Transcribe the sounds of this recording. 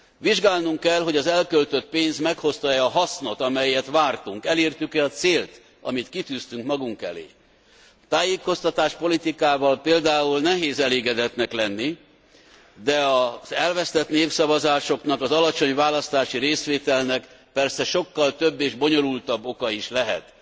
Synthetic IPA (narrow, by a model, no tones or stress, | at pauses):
ʋiʒɡaːlnuŋkːɛlɦo̞ɟɒzɛlkølt̪øt̪̚peːnzmɛkho̞st̪ɒjːɦɒsno̞t̪ɒmɛjɛt̪ʋaːrt̪uŋkɛleːrt̪ykɛɒt̪seːlt̪ | ɒ̰mit̪kit̪yːst̪yŋkmɒɡuŋkɛ̰lḛː | t̪aːjeːko̞st̪ɒt̪aːʃpo̞lit̪ikaːvɒlpeːld̪aːulnɛɦeːzɛleːɡɛd̪ɛt̪nɛklɛnːi | d̪ɛɒzɛlvɛst̪ɛt̪neːfsɒvɒzaːʃo̞knɒkɒzɒlɒt͡ʃo̞ɲvaːlɒst̪aːʃiɾeːsʋeːt̪ɛlnɛk | pɛrsɛʃo̞kːɒlt̪øbːeːʒbo̞ɲo̞lult̪ɒbːo̞kɒiʃlɛɦɛ̰t̪